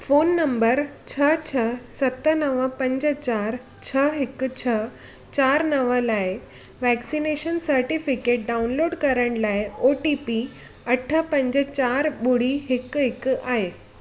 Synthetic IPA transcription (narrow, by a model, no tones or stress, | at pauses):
foːnːɐmbəɾt͡ɕʰət͡ɕʰəsɐt̪ənəʋəpɐ̃ɲd͡ʑət͡ɕaːɾ | t͡ɕʰəɦɪkt͡ɕʰə | t͡ɕaːɾnɐʋəlaːe | ʋɛksineʃənsəɾʈifɪkeːʈ̚ɖaːunloːɖkɐɾəɽ̃laːɪoʈipi | ɐʈʰəpɐ̃ɲd͡ʑət͡ɕaːɾɓʊɽ̤iɦɪkɦɪkaːɦeː